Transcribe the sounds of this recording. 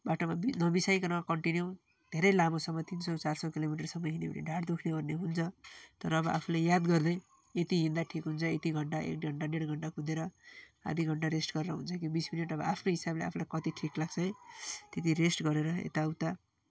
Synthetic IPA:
baʈomabinʌbisajkʌnʌkʌɳʈinjo | d̪ʱeɾʌjlamosʌmːʌt̪insʌt͡sarsʌkilomiʈ̬ʌrsʌmːʌɦinebʌ̰nḭɖʱaɽd̪ukʰnebʱʌrnːeɦunt͡sʰʌt̪ʌɾʌːbʌʔapʰulejad̪ɡʌrd̪ʌj | et̪iɦind̪aʈʰikɦunt͡sʰʌet̪iɡʱʌɳʈaḛkɡʱʌɳʈaneɽɡʱʌɳʈakʰud̪eɾʌ | a̰d̪ʱiɡʱʌɳʈaɾesʈɡʌɾɾʌɦunt͡sʰʌkibismineʈʌbʌ̰apʰnoɦisablea̰pʰulajkʌt̪iʈʰiklaɡt͡sʰʌj̃t̪et̪̬iresʈɡʌɾeɾʌḛt̪awt̪a

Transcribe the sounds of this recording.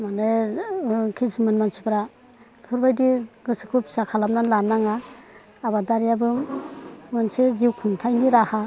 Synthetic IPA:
mane | kʰismɯnmansipɾa | pʰuɾbajdiɡɯsɯkʰupʰsakʰalamnanlanaŋaː | badaɾijabɯ | mɯnseziwkʰɯntʰajniɾaha

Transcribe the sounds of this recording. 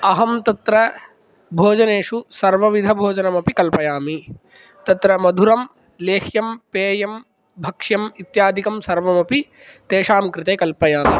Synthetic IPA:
ɐɦɐmt̪ɐt̪ɾɐ | bʱoːd͡ʒɐneːʂusɐɾʋɐʋid̪ʱɐbʱoːd͡ʒɐnɐmɐpikɐlpɐjaːmi | t̪ɐt̪ɾɐmɐd̪ʱuɾɐm | leːxʰjɐmpeːjɐm | bʱɐkʂjɐmit̪jaːd̪ʱikɐmsɐɾʋɐmɐpi | t̪eːʂaːmkɾɪt̪eːkɐlpɐjaːmi

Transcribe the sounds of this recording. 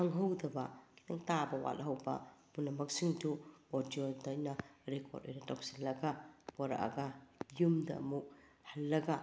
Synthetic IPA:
aŋɦɐwdɐbɐkitaŋtabɐwa̰lɦɐwbɐ̰munɐmɐksiŋduodiodajnaɾekʰo̰to̰jnɐtak̚silːɐɡapoɾa̰ʔa̰ɡajumdɐ̰ɐ̰mu | hɐlːɐɡa

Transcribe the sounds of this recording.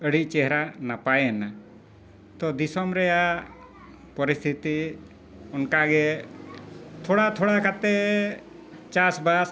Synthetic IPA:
əɽit͡ʃɛɦɾanapajɛna | t̪ɔd̪isɔmɾɛja | pɔɾist̪ʰit̪i | ɔnkaɡɛ | t̪ʰɔɽat̪ʰɔɽakʰat̪ɛ | t͡ʃasbas

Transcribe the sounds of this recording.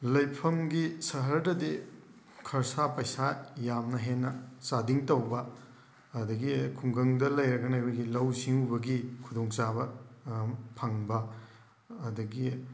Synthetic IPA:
lɐjpʰɐmɡisɐɦɐɾdɐde | kʰɐɾsapɐjsajamnɐɦenːɐsadiŋtɐwbɐː | dɐɡikʰuŋɡɐŋdɐlɐjɾɐɡɐnjbɐɡilɐwsiŋubɐɡikʰudoŋt͡ʃabɐ | pʰɐŋbɐː | dɐɡi

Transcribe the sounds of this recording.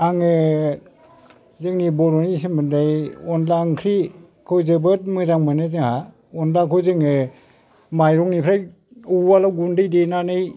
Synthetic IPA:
aŋɯ | zɯŋnibɔɾɔnis̬inbɯndajɔnlaːŋkʰɾi | kʰɯwzɯbɯt̚mɯzaŋmɯnɯzɯŋha | ɔnlakʰɔwzɯŋɯ | majɾɔŋnipʰɾaj | ualawɡundɯjdenanɯj

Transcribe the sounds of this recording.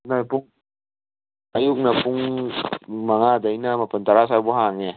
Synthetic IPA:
najpuŋ | ajuk̚napʰuŋ | maŋadajnamapʰant̪aɾasajbɔɦaŋe

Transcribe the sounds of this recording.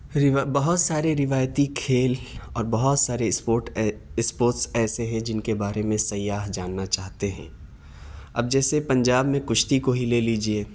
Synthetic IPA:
ɾɪbɐɦʊt̪saːɾeɾɪʋaːjt̪ikʰeːlɔːɾbɐɦʊt̪saːɾeoːʈɪspoːɾʈsɛːseɦɛ̃d͡ʒɪnkebaːɾemẽsɐjaːɦd͡ʒaːnːat͡ʃaːɦt̪eɦɛ̰̃ː | ɐ̰b̚d͡ʒɛːsepɐ̃ɲd͡ʒaːbmẽkʊʃt̪ikoɦileːliːd͡ʒieː

